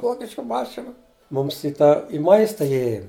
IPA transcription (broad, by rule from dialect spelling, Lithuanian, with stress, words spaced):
ˈʋoːkʲɪʃkʊ ˈmɑːʃʲɪnʊ ˈmʊms ɪ tɑː ɪ ˈmɐɪstɐ ɪˈjeːjoːm